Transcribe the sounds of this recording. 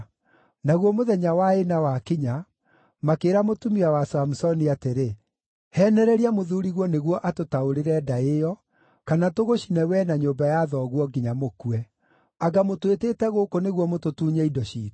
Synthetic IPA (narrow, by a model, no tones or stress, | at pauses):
naɣwɔmoðɛɲawaenawakiɲa | makeːɾamotumiawasamusɔniateɾe | hɛːnɛɾɛɾiamoðuɾiɣɔneɣwɔʔatotaoɾeɾɛːdaejɔ | kanatoɣoɕinɛwɛnaɲombajaðɔɣwɔɡiɲamokuɛ | aɡamotwetetɛɣokoneɣwɔmototuːɲɛidɔɕḭːt